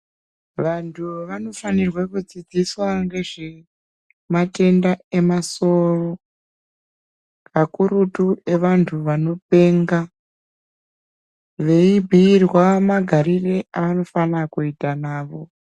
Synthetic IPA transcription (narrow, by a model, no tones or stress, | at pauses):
ʋantʰuʋano̞fanirwakud͡zid͡ziswaŋɡe̞ʐe̞ | mate̞ndae̞maso̞ro̞ | kakuɾutue̞ʋantʰuʋano̞pe̞ːŋɡa | ʋe̞ibʱiːrwamaɡʱaɾireʔaʋano̞fanakuitanaːʋo̞